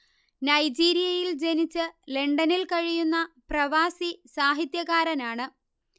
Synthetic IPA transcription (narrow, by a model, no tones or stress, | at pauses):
nɐjd͡ʑiːɾijɐjild͡ʑe̞nit͡ɕːɨle̞ɳɖɐnilkɐɻijunːɐprɐʋaːsisaːɦit̪jɐɣaːɾɐnaːɳɨ